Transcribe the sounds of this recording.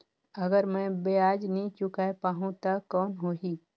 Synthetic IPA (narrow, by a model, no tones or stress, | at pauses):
ɐɡəɾmɛ̃beaːd͡ʒnəĩt͡ʃʊkapaːɦũt̪akɔːnɦoːɦiː